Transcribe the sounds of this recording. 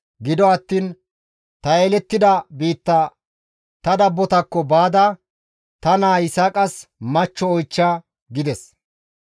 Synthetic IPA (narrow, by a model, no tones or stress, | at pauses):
ɡɪd̪ɔɐt̪ːiːn | t̪ɐelɛt̪ːɪd̪ɐbiːt̪ːɐ | t̪ɐd̪ɐbːɔt̪ɐkːɔbaːd̪ɐ | t̪ɐnaːɪsɐkʼɐsmɐt͡ʃːɔːjt͡ʃːaː | ɡɪd̪ɛs